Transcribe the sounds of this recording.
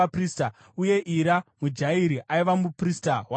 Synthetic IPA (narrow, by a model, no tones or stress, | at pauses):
apriːsta | uje̞ʔiɾamud͡ʒaiɾiʔaiʋamupristaɦwa